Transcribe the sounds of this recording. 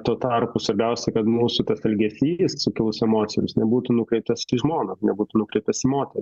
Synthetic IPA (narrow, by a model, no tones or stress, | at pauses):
t̪uːt̪ɐrpʊsʋɐɾʲbʲɛʊsʲɛkɐt̪muːsut̪ɐsɛlʲɡʲɛsʲiːssʊkʲɪlˠʊsɛmoːt̪sʲɪjʊsnʲɛbuːt̪ʊnʊkɾʲɛɪp̚t̪ɐst̪ʲɪʒmoːnɐnʲɛbuːt̪ʊnʊkɾʲɛɪp̚t̪ʲɐsɪmoːt̪ʲɛɾʲɪ